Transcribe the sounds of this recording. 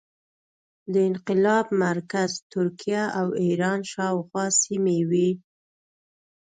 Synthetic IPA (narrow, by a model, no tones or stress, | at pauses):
d̪əɪnqɪlɑbmaɾkazt̪ʊɾkijaʔawiɾɑnʃɑwxwɑsimewi